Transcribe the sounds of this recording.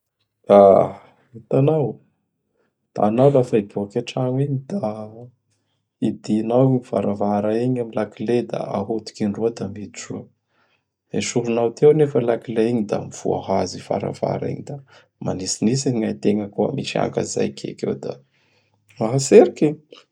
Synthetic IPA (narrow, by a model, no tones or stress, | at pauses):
d̪̥a | it̪anaw | d̪̥a̰ːnawlafaibuakaʈ͡ʂaŋiɲid̪a | id̪inawiifa̰ɾavaɾaiɲamilakiled̪a̰aɦut̪u̥kiɳɖ͡ʐuad̪amid̪iʈ͡ʂuə | eʃuɾunawt̪ewnefəlakileiɲid̪a̰miv̥ṵa̰ɦazifa̰ɾa̰va̰ɾa̰ḭɲid̪a | manisinisiɲajt̪eŋəkuə̰miʃia̰ŋka̰za̰jkʰḛkḛwd̪a̰ | maɦaseɾikiɲi